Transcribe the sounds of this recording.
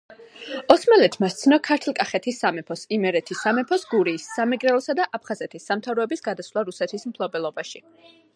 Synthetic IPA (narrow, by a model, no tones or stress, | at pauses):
ɔsmalɛt̪ʰmast̪sʰnɔkʰaɾt̪ʰlˠkʼaχɛt̪ʰisːamɛpʰɔsimɛɾɛt̪ʰisːamɛpʰɔsɡuɾiːsːamɛɡɾɛlˠɔsad̪aʔapʰχazɛt̪ʰisːamt̪ʰavɾɔɛbisɡad̪asvlˠaɾusɛt̪ʰismpʰlˠɔbɛlˠɔbaʃi